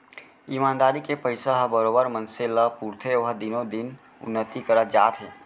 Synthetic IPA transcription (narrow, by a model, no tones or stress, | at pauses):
iːmaːnd̪aːɾikepəɪsaɦbəɾoːbəɾmə̃nselapuɾt̪ʰeʋəɦd̪ɪnod̪ɪn | ʊ̰nːət̪ikəɾad͡ʒaːt̪ɦɛː